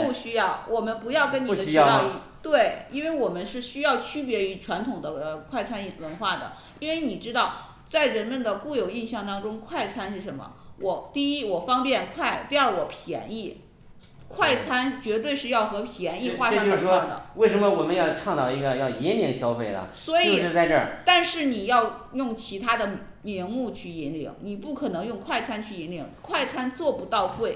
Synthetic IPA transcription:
pu˥˩ɕy˥jɑ˥˩ʊwʔɔ˨˩mə˦npu˧˥jɑ˥˩ʊkə˥ni˧˩d̪ə˥˧˥i˥˩ | t̪we˥˩ɪi˥nwe˥˩ɪwɔ˨˩mə˦nʂɻ̩˥˩ɕy˥jɑ˥˩ʊt͡ɕʰy˥pjɛ˧˥y˧˥ʈ͡ʂʰwa˧˥nt̪ʰʊ˨˩ŋd̪ə˦kʰwa˥˩ɪt͡sʰa˥ni˥˩wə˧˥nxwa˥˩d̪ə̰˩ | i˥nwe˥˧˩ɪni˨˩ʈ͡ʂɻ̩˥t̪ɑ˥˩ʊ | t͡sa˥˩ɪɻə˧˥nmə˧nd̪ə˩ku˥˩jo˨˩ʊi˥˧nɕjɑ˥˩ŋt̪ɑ˥ŋʈ͡ʂʊ˥ŋkʰwa˥˩ɪt͡sʰa˥nʂɻ̩˥˩ʂə˧˥nmə̰˧wʔɔ˨˧˩t̪i˥˧i˥wɔ˨˩fɑ˥ŋpjɛ˥˧nkʰwa˥˧ɪt̪i˥˧a˞˥˩wɔ˨˩pʰjɛ̰˧˥ni˥˩ | kʰwa˥˩ɪt͡sʰa˥nt͡ɕɥɛ˧˥t̪we˥˧ɪʂɻ̩˥˧jɑ˥˩ʊxɤ˧˥pʰjɛ˧˥ni˥˧xwa˥˧˥ɑ˥ŋo˥˧dəʂʂwɔ˥ŋd̪ə̰˩we˥˩ɪʂə˧˥nmə˧wɔ˨˩mə˧˦njɑ˥˧ʊʈ͡ʂʰɑ˥˧ŋt̪ɑ˨˩ʊi˧˥ɡə˧jɑ˥˩ʊi˧˥nljɛ˧˥nɕjɑ˥ʊfe˥˩ɪlə̰˩swɔ˧˥io˧ʊ˨˩ʂɻ̩˥˧t͡sa˥˧ɪʈ͡ʂə̰˥˩t̪a˥˧nʂɻ̩˥˩ni˨˩jɑ˥˧ʊjʊ˥˩ŋt͡ɕʰi˧˥t̪ʰa˥d̪ə˨ | mɛ˧˥nmu˥˧t͡ɕʰy˥˩i˧˥nlḭ˧˥ŋni˨˩pu˥˩kʰɤ˨˩nɤ˧˥ŋjʊ˥˧ŋkʰwa˥˩ɪt͡sʰa˥nt͡ɕʰy˥˩i˧˥nli˧˥˦ŋkʰwa˥˩ɪt͡sʰa˥nt͡swɔ˥˩pu˧˥t̪ɑ˥˧ʊkwe˥˩ɪ

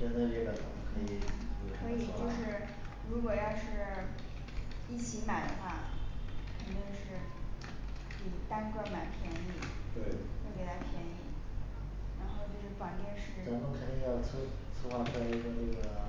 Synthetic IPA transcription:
ʈ͡ʂə˥nd̪ʈ͡ʂe˥˩ba˧˩tə˨˩˥kʰə˧˥i˧˥˩t̪we˥˩kʰɤ˧˥i˨˩t͡ɕjo˥˧ʊʂɻ̩˥˩ | ɻu˧˥kwɔ˨˩jɑ˥˧ʊʂɻ̩˥˧ | i˥˩t͡ɕʰi˧˥ma˨˩ɪd̪ə̰˦xwa˥˩kʰə˨˩nt̪i˥˧ŋʂɻ̩˥˩ | pi˨˩t̪a˥nkə˥˩ma˨˩ɪpʰjɛ˧˥ni˥˩ | t̪we˥˩ɪt̪ʰke˧˥ɪt̪ʰa˥˩pʰjɛ˧˥nḭ˥˩ | ɻa˧˥nxo˥˧ʊt͡ɕjo˥˧ʂɻ̩˥˩pɑ˨˩ŋnjɛ˥˧nʂɻ̩˥ʈ͡ʂa˥ŋt̪ʊ˥˧ŋk̪ʰi˥˧jɑ˥˩ʊt͡s̩ʰ˥ | t͡s̩ʰ˥xwa˥˩sa˥˩ɪi˧˥ɡə˥˧nɤ˥˩ɡə˩

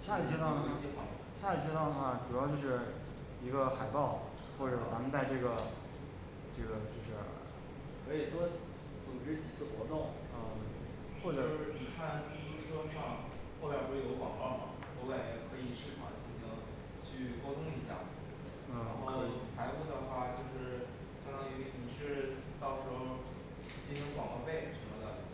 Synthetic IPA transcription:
ʂja˥˩li˨˩t͡ɕʰɛ˥t̪ɑ˥˧˥t͡ɕɛ˥˧wɑ˥˩ | ʂa˥˩li˨˩t͡ɕʰɛ˥˧t̪wnə˩xa˥˩ʈ͡ʂu˨˩jɑ˥˧ʊt͡ɕjo˥˧ʊʂɻ̩˥˩ | i˧˥ɡə˧xa˨˩ɪpɑ˥˩ʊ | xwɔ˥˩ʈ͡ʂɤ˨˩t͡sa˧˥mə˧nt͡sa˥˧ɪʈ͡ʂɤ˥˩ɡə˩ | ʈ͡ʂɤ˥˩ɡə˩t͡ɕjo˥˧ʊʂɻ̩˥˩ | ə˧˥ɛ˨˩t̪wɔ˥ | t͡sʊ˨˩ŋʈ͡ʂɻ̩˥t͡ɕi˨˩t͡sʰɹ̩˥˩xwɔ˧˥t̪ʊ˥˩ŋ | ə˥˩ | xwɔ˥˩ʈ͡ʂɤ˨˩˥ni˨˩kʰa˥˩nʈ͡ʂu˥i˧˥ʈ͡ʂʰɤ˥ʂɑ˥˧ŋ | xo˥˩pjʈ͡ʂo˥˩jo˧˥ʊwɑ̰˨˩ŋlɔ˥˩mɐ̰˩ | o˧˥ʊka˥˩ɪ˨˩kʰɤ˧˥i˨˩ʂɻ̩˥˩pʰɑ̰˨˩ŋt͡ɕʰi˧˥i˧˥ŋ | t͡ɕʰy˥˧kɑ˥ʊt̪ʰʊ˥ŋi˧˥ɕja̰˥˩˥ | a˧˥nxo˥˩ʊ˩t͡sʰa˧˥ɪfu˥˩d̪ə˩xwa˥˩t͡ɕjo˥˧ʊʂɻ̩˥˩ | ɕjɑ˥ŋɑ˥ŋi˧˥ni˨˩ʂɻ̩˥˧ | t̪ɑ˥˩ʊʂʰɤ˧˥o˥˧ʊ | t͡ɕi˥nɕi˧˥ŋwɑ˨˩ŋlɔ˥˧pe˥˩ɪ˩ʂə˧˥mə˧d̪ə˩

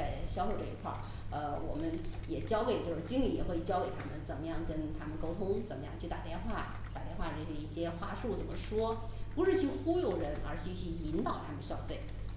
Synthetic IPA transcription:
t͡sa˥˩ɪɕjɑ˥ʊfe˥˧ɪʈ͡ʂɤ˥˩ḭ˧˥kʰwɑ̰˥˩ | ə˧wɔ̰˨˩mə˦njɛ˨˩t͡ɕjɑ˥ʊke˨˩ɪt͡ɕo˥˧ʊʂɻ̩˥˩t͡ɕi˥ŋli˨˩˥jɛ̰˨˩xwe˥˩ɪt͡ɕjɑ˥ʊke˨˩ɪt̪ʰa˥mə˨nt͡sə˨˩nmə˦jɑ˥˩ŋkə˥nt̪ʰa˥mə˨nko˥ʊt̪ʰʊ˥ŋt͡sə˨˩nmə˦jɑ˥˧ŋt͡ɕʰy˥˩t̪a˨˩t̪jɛ˥˧nxwa˥˩ | t̪a̰˨˩t̪jɛ˥˧nxwa˥˩ʈ͡ʂə˥˩ɕə˥˩i˥˩ɕjɛ˥xwa˥˧ʂu˥˩t͡sə˨˩nmə˦ʂwɔ˥ | pu˧˥ʂɻ̩˥˧t͡ɕʰi˥˩xu˥jo˨˩ʊɻə˧˥nə̰˞˧˥t͡ɕʰy˧˥t͡ɕʰy˥˩i˧˥nt̪ɑ˨˩ʊt̪ʰa˥mə˨nə˩ɕjɑ˥ʊfe˥˩ɪ

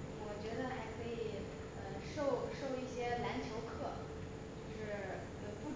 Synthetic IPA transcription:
wɔ˨˩t͡ɕɥɛ˧˥d̪ə˧xa˧˥ɪkʰɤ˧˥i˨˩ | ə˧ʂo˥˧ʊʂo˥˧ʊi˥˩ɕjɛ˥na˧˥nt͡ɕʰjo˧˥ʊkʰɤ˥˩ | t͡ɕo˥˧ʊʂɻ̩˥˩ | t͡ɕo˥˩pu˥˩

